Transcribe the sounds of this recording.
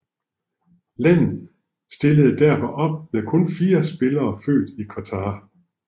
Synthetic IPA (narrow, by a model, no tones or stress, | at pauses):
læn̰ð̩ˠ | sd̥e̝ləð̩ˠd̥æɐfɒ̽ʔɒ̽b̥mekʰɔ̽nfiːɐsb̥e̝lɐːfø̰ːd̥ikʰʋɑ̈t͡sʰɑ̈ː